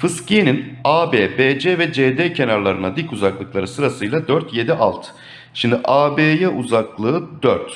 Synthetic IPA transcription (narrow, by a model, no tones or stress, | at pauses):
fɯscijeninaːbeːbeːd͡ʒɛvɛd͡ʒed̪eːcʰe̞naɾlˠaɾɯnad̪ikuzaklˠɯklˠaɾɯsɯɾasɯjlˠad̪øɾt̪ʰje̞d̪iʔalˠt̪ʰ | ʃimd̪iʔaːbeːjɛʔuzaklˠɯɯd̪øɾt̪